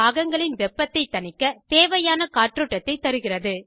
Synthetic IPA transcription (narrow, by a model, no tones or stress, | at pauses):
aːɣɐŋɡɐɭɪnʋɛpːɐt̪ːɐɪt̪ːɐnɪkːɐt̪eːʋɐjaːnɐkaːʈrɯʈːɐt̪ːɐɪt̪ːɐɾɯɣɪrɐðɯ